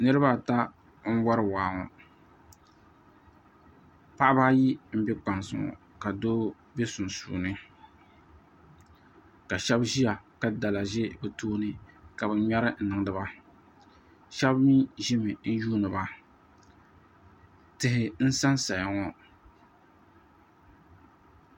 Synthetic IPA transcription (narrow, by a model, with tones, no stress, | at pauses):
nɨ˦ɾɨ˦ba˦˨ta˦ | ŋ̩˦wɔ˦ɾɨ˦˨waː˨ŋɔ̰˨ | pa˦ʔba˦ji˦m̩˦bɛ˦k͡pa˨nsɨ˨ŋɔ̰˨ | ka˨doː˦ | be˦sʊ˨n˨sṵː˨nɨ˦ | ka˨ʃɛ˦bʒi˦ja˨ka˦da˨la˨ʒe˦bɨ˨toː˦nɨ˦ka˨bɨ˨ɲa˦ɾɨ˦n̩˨nɨ˨ŋ˦dɨ˦ba˦ | ʃɛ˦bmi˦ʒɪ˦mɨ˨n̩˦juː˦nɨ˨ba˦ | tɨ˨ɦɪ˨n̩˦sa˦nsa˨ja˨ŋɔ˨